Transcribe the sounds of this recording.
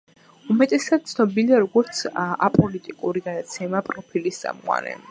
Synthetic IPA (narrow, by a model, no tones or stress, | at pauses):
umɛt̪ʼɛsad̪̚t̪sʰnɔbiliaɾɔɡɔɾt̪sʰa̰pʼɔlit̪ʼikʼuɾiɡad̪at̪sʰɛmapʼɾɔpʰilist̪sʼa̰mqʼwa̰ɾɛ̰